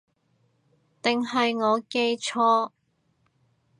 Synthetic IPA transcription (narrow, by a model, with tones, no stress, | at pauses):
t̪ɪ˨ŋɦɐ˨jŋɔː˨˧ke˧jt͡ʃʰɔː˥